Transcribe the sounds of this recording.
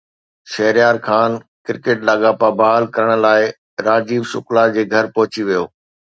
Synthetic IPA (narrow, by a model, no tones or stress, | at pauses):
ʃɐɦɪɾjaːɾkʰaːnkɪɾkeːʈlaːɠaːpabaːɦlkɐɾəɽ̃ə̆laːɪ | ɾaːd͡ʑiːʋʃʊklad͡ʑeːɡʱɐɾpɐɦʊt͡ɕiʋijoː